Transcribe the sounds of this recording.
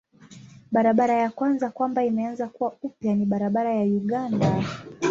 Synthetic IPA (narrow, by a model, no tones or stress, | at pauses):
ɓaɾaɓaɾajakwanzakwambaimɛanzakuwaupjaniɓaɾaɓaɾajajuɠanda